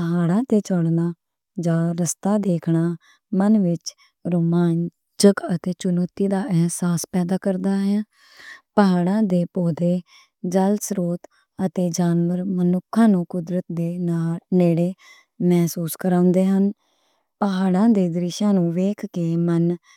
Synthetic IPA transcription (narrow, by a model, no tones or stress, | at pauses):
pəɦaːɽãːt̪eːt͡ʃəɽnaː | d͡ʒãːɾəst̪aːd̪eːkʰɳaː | mənʋɪt͡ʃ | ɾoːmaːn | d͡ʒəkət̪eːt͡ʃʊnoːt̪iːd̪aːʔɛɦsaːspɛːd̪aːkəɾd̪aːɦɛː | pəɦaːɽãːd̪eːpoːd̪eː | d͡ʒəlsɾoːt̪ | ət̪eːd͡ʒaːnʋəɾmənʊkʰːãːnũːkʊd̪ɾət̪̚d̪eːaːneːɽeː | mɛːsuːskəɾãːʊnd̪eːɦən | pəɦaːɽãːd̪eːd̪ɾɪʃãːnũːʋeːkʰkeːmən